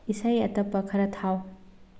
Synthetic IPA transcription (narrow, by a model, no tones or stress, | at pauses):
isajɐtɐpːɐkʰɐɾɐtʰaw